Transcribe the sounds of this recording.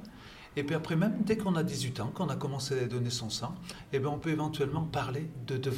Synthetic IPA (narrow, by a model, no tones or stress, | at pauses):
epɥiapχɛmɛmd̪ɛkɔ̃nad̪izɥit̪ɑ̃kɔ̃nakɔmɑ̃sead̪ɔnesɔ̃sɑ̃ | ebɛ̃ɔ̃pøevɑ̃t̪ɥɛlmɑ̃paʁled̪əd̪əv